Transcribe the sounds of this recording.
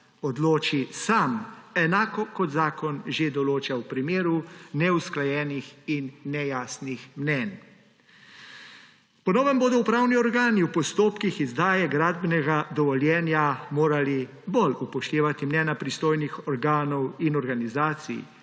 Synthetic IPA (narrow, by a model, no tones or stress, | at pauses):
ɔd̪loːt͡ʃisamɛnaːkɔkɔd̪zaːkɔnʒed̪ɔloːt͡ʃawpɾimeːɾunɛusklajɛːnixinːɛjaːsnixmnɛn | pɔnɔːʋɛmboːd̪ɔwpɾawniɔɾɡaːniupɔst̪oːpkixizd̪aːjɛɡɾaːd̪bnɛɡad̪ɔʋɔljɛːnjamoːɾali | bɔlupɔʃt̪eːʋat̪imnɛːnapɾist̪oːjnixɔɾɡaːnɔwinɔɾɡanizaːt̪sḭj